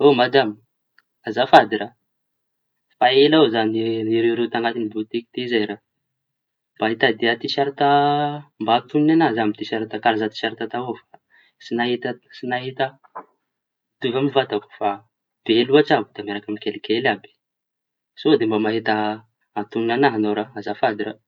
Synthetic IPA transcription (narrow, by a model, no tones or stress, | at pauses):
omad͡ʒ̪am | azafad̪iɾa | faelazaniniɾewɾet̪aŋɡat̪inibut̪iki̥t̪izajɾa | mb̥aɦit̪ad̪eat̪isaɾit̪ambat̪unnenazamit̪iʃaɾat̪akaɾazat̪i̥ʃaɾit̪at̪aofa | sinaɦit̪əsinaɦit̪ə | d̪̥uvamivat̪aku̥fa | b̥eluaʈ͡ʂabud̪amaɾakamikelikelabi̥ | sod̪embamaɦit̪ə | at̪uninanaɦanawɾaazafad̪iɾa